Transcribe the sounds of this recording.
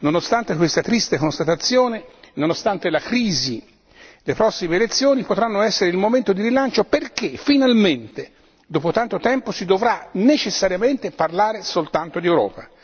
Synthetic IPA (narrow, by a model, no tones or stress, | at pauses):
nonost̪ant̪ekwest̪at̪ɾist̪ekonst̪at̪at̪sːjoːnenonost̪ant̪elakɾiːzi | lepɾɔsːimeːlet̪sːjoːnipot̪ɾanːoɛsːeɾeilmoment̪od̪iɾilant͡ʃoperk̟efːinalment̪e | d̪ɔːpot̪ant̪ot̪ɛmposid̪ovɾanet͡ʃesːaɾjament̪eparlaːɾesolt̪ant̪od̪iewɾɔ̰ːpa